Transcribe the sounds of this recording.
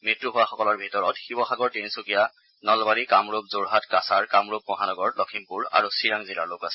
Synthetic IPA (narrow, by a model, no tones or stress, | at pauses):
mitɹuɦʊwaxɔkɔlɔɹbʱitɔɹɔtxibɔxaɡɔɹtinsukija | nɔlbaɹikamɹubzoɹɦatkasaɹkamɹub̚mɔɦanɔɡɔɹlɔkʰimpuɹa̰ɹusiɹaŋzila̰ɹlokasɛ